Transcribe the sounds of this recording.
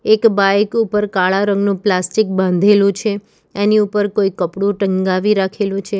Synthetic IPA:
ekbaekupəɾkaɭaɾəŋɡnũplasʈik̚bãnd̪ʱelũt͡ʃʰe | eniupəɾkoikəpɽũʈəŋɡaʋiɾakʰelũt͡ʃʰe

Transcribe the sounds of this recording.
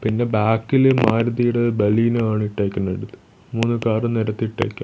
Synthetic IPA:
pinːe̞baːkːilemːaːɾɐðijuɽebɐliːnɨaːɳɨiʈːeːkʲːunːeɽut̪ːɨ̥ | muːnːukaːrɨniɾɐt̪ːiʈːḛːkʲːa̰

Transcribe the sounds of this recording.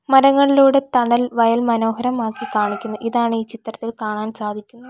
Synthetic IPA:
mɐɾɐŋːɐɭiloːɽet̪ɐɳɐlʋɐjɐlmɐno̞ːɦɐɾɐmaːkːikaːɳikʲːunːuʔiðaːɳiːt͡ɕit̪rɐt̪ːilkaːɳaːnsaːd̪ʱikʲːunːɐ

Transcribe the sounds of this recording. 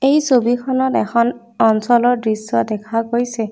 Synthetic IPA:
ejsobikʰɔnɔtɛ̰xʰɔn | ɔnsɔlɔɹdɹisɔdɛkʰaɡojsɛ

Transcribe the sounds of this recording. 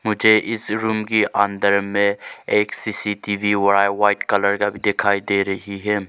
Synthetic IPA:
mʊd͡ʒʱeʔɪsɾuːmkiʔɐnd̪əɾmẽeːksiːsiʈiːʋiwɐɾaːʋaːɪʈkɐləɾkabʱid̪ɪkʰaːid̪eːɾɐɦiɦɛː

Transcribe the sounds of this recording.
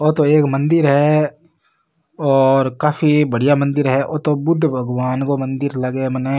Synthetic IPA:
oːt̪oeːkmɐ̃nd̪ɪɾɦɛ | ɔːɾkaːfibɐɽ̤ijamɐ̃nd̪ɪɾɦɛʔoːt̪obʊd̪ʱːbʱɐɡʋaːnkomɐ̃nd̪ɪɾlɐɡeməne

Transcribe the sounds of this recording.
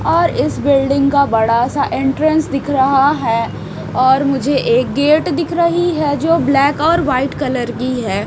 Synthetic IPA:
ɔːɾɪsbɪlɖɪ̃ŋɡkabɐɽasaʔɪ̃ɳʈɾə̃nsd̪ɪkʰɾɐɦaɦɛː | ɔːɾmʊd͡ʒʱeʔeːk̚ɡeːʈd̪ɪkʰɾɐɦiɦɛd͡ʒoːblɛːkɔːɾʋaːɪʈkɐləɾɡiɦɛː

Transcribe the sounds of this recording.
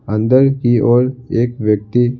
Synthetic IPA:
ə̃nd̪əɾkiʔɔːɾeːkʋjək̚t̪i

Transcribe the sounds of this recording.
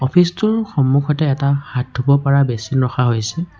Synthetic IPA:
ɔpʰistʊɹxɔmːukʰɔtɛːtaxat̚ːobɔpaɹabesinɹɔxaɦojsɛ

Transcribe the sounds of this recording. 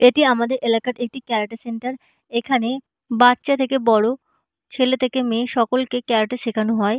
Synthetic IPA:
eʈiamad̪eɾʔelakaɾek̚ʈikɛɾaʈeseɳʈaɾ | ekʰane | batːɕat̪ʰekebɔɽo | t͡ɕʰelet̪ʰekemeʃɔkolkekɛɾaʈeʃekʰanoɦɔe

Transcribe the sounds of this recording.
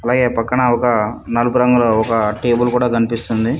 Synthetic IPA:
ɐlaːɡe̞ːpɐkːɐɳɐɔkɐnɐlupuɾɐŋɡuloːɔkɐʈeːbɐlkuːɽaːkɐnipist̪und̪i

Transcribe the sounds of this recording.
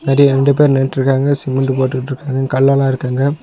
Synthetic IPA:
nɐːɾiɾɛɳɖɯp̬eːɾnɛʈːɪɾɯkːaːŋɡɐsɪmɐɳɖɯpoːʈːɯkːʈːɪɾɯkːaːŋɡɐkɐɭːalãːɪɾɯkːaːŋɡɐ

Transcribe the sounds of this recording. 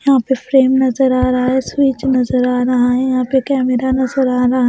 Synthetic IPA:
jɐɦãpefʰɾeːmnɐzəɾaːɾɐɦaɦɛːswiːt͡ʃnɐzəɾaːɾɐɦaɦɛjɐɦãpekɛːmeɾanɐzəɾaːɾaɦ

